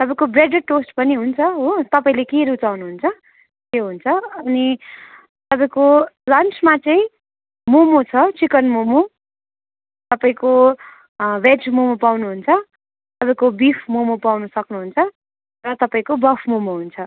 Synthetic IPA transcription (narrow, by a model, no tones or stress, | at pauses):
t̪ʌpãĩkobreɖeʈosʈpʌniɦunt͡sʰʌɦot̪ʌpãĩlekeɾut͡sawnuɦunt͡sʰʌ | keɦunt͡sʰʌʌni | t̪ʌpaĩkolʌnt͡sʰmat͡sʌĩ | momot͡sʰʌt͡sikʌnmomo | t̪ʌpaĩko | bed͡zmomopawnuɦunt͡sʰʌ | t̪ʌpaĩkobipʰmomopawnʌsʌknuɦunt͡sʰʌ | rʌt̪ʌpaĩkobʌpʰmomoɦunt͡sʰʌ